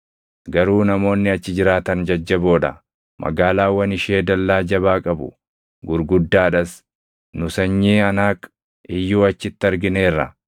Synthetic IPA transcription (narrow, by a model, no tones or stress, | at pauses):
ɡɐɾuːnɐmo̞ːnːɪɐt͡ʃːɪd͡ʒɪɾaːt̪ɐnd͡ʒɐd͡ʒːɐbo̞ːᶑɐ̰ | mʔɐ̰ɡaːlaːwːɐnɪʃe̞ːd̪ɐlːaːd͡ʒɐbaːkʼɐbʊ̰ | ɡʊɾɡʊd̪ːaːᶑɐs | nʊsɐɲːiːɐnaːk | ɪjːuːɐt͡ʃːɪt̪ːɪɐɾɡɪne̞ːrːɐ̰